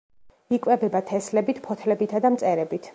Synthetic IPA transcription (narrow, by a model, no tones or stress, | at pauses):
ikʼwɛbɛbat̪ʰɛslɛbit̪ʰpʰɔt̪ʰlɛbit̪ʰad̪amt̪sʼɛɾɛbit̪ʰ